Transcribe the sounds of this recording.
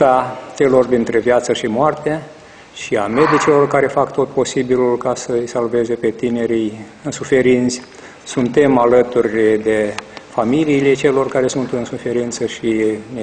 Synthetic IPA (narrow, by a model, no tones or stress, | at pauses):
t̪at͡ʃe̞lo̞rd̪int̪ɾe̞vjat̪səʃimoart̪e | ʃiame̞d̪it͡ʃilo̞rkaɾe̞fakt̪o̞t̪̚po̞sibilulkasəɨjsalve̞ze̞pe̞t̪ine̞ɾij | ɨnsufe̞ɾint̪sʲ | sunt̪e̞malət̪urʲd̪e̞familiːlet͡ʃe̞lo̞rkaɾe̞sunt̪ɨnsufe̞ɾint̪səʃine